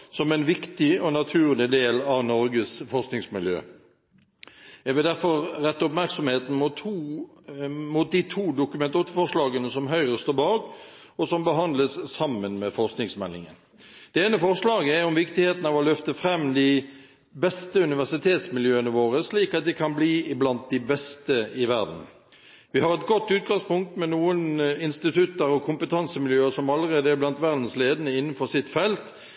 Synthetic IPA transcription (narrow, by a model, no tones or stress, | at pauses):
sɔmɛnʋɪkt̪ɪɔnɑt̪ʰʉːʁlɪd̪eːlɑʋnɔɾɡəsfɔɾsknɪŋsmɪljø̰ː | jæɡʋɪld̪æɾfɔʁɾɛt̪ːʊpmæɾksɔmheːt̪n̩mʊuː | mut̪̚d̪it̪ʰuːd̪ʊkʉmɛnt̪ot̪əfɔʁʂlɑːɡənəsɔmɦœʏʁəst̪oːbɑːɡ | ɔsɔmbəɦɑnd̪ləssɑmənmɛfɔɾsknɪŋsmɛlːɪ̰ŋə̰n | d̪̥ɛeːnəfɔʁslɑːɡəæɾɔmʋɪkt̪ɪheːt̪n̩ɑʋɔlœft̪əfʁɛmːd̪ɪ | bɛst̪əʉnɪʋæʁsɪt̪ʰeːt̪smɪljøːənəʋoːʁəsliːkɑt̪̚d̪ɛkʰɑnbliːɪblɑnt̪̚d̪ɪbɛst̪əɪʋæʁd̪n̩ | ʋɪhɑɾɛt̪ɡɔt̪ːʉːt̪̚ɡɑŋspʊŋk̚t̪mɛnuːənɪnst̪ɪt̪ʰʉt̪ːəɾɔkʰʊmpət̪ʰɑnsəmɪljøːəsɔmɑlːəʁeːd̪əæɾblɑnt̪ʋæʁd̪n̩sleːd̪ənəɪnːən̩fɔʁsɪt̪fɛlt̪